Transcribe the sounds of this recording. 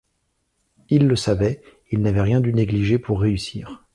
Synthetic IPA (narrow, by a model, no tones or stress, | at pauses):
ilːəsavɛ | ilnavɛʁjɛ̃d̪yneɡliʒepʰuʁːeysiːʁ